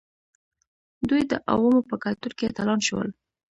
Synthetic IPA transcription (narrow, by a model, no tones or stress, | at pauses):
d̪ujd̪əʔa̰wəmopəkat̪uɾket̪alɑnʃəwə̰l